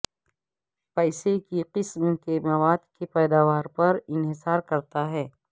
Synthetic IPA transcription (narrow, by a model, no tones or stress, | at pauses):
pɛːsekiqɪsmkemɐʋaːd̪kepɛːd̪aːʋaːɾpɐɾɪnɦɪsaːɾkɐɾt̪aɦɛː